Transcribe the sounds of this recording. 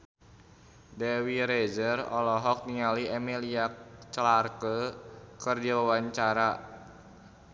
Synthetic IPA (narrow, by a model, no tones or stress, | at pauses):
dɛwiɾezərɔ̰lɔɦɔk̚niŋaliɛmiliakt͡ʃlarkəkərdiwawaɲt͡ʃaɾa